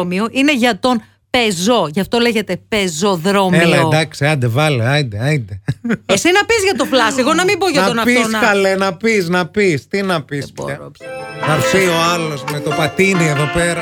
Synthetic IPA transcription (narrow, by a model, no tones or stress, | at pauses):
mio̞ʔine̞ʝɐt̪o̞n | pe̞zo̞ʝɐft̪o̞le̞ʝe̞t̪e̞pe̞zo̞ðɾo̞meilɐod̪ɐksiɐd̪evɐleɐnd̪eɐd̪eesinɐpizʝɐt̪o̞flɐsiɣo̞nɐmimboʝɐtɐonɐfosnɐkɐlenɐpisnɐpist̪inɐpibpɐɾoɣɐɾθio̞ɐlo̞zmet̪opɐt̪inieðopeɾɐ